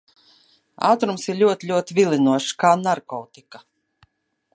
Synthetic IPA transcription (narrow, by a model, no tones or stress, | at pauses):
a̰ːt̪ɾumsiɾlʲuɔt̪ilʲuɔt̪vʲilˠinuɔʃkaːnaɾkɔwt̪ika